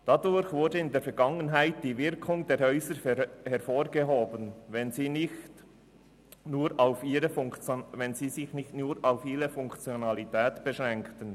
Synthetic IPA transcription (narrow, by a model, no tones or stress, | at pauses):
d̥adʊɾçvʊɾdəɪndeːfɛɾɡɑŋənɦaɪtd̥iːvɪɐkʰʊŋdeːɾhœʏzəɾhɛɾfoːɾɡəɦoːbənvɛnziːnɪçt | nuːɾaʊfiːɾəfʊŋt͡svɛnziːzɪçnɪçtnuːɾaʊfiːʁəfʊŋkt͡sjonalitʰɛːtb̥əʃʁɛŋktən